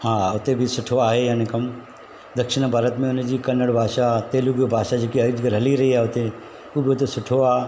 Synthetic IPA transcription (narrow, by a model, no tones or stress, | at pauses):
hãːʊt̪ebʱɪsʊʈʰoaːɦejaːnikɐm | d̪ɐkʃɪɽ̃bʱaːɾət̪mẽʊnd͡ʑiːkɐnəɽbʱaːʃat̪eːluɡiobʱaːʃad͡ʑeːkiɐd͡ʒɡəɾɦɐliɾɐɦiaːɦeʊt̪e | uːbʱɪʊt̪esʊʈʰoaː